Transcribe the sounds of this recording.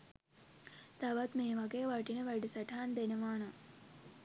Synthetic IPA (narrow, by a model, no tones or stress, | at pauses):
t̪ɐʋɐt̪meːʋɐɡejʋɐʈinɐʋɐɖisɐʈʰaːnd̪enɐʋaːnɐ